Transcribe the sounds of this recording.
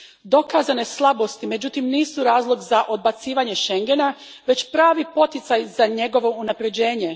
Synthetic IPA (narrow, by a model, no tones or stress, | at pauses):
d̪o̞kazane̞slˠabo̞st̪ime̞d͡ʑut̪imniːsuɾaːzlˠo̞ɡzaʔo̞d̪̚bat̪siːʋaɲe̞ʃe̞ŋɡe̞na | ʋe̞t͡ɕpɾaːʋipo̞t̪it̪sajzaɲe̞ɡo̞ʋo̞unapɾe̞d͡ʑe̞ːɲe̞